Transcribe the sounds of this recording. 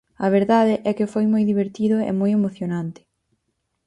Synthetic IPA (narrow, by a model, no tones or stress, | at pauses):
ɐβ̞eɾðaðɪʔɛkɪfojmojðiβ̞eɾt̪iðʊḛmojemoθjonãnt̪ɪ̥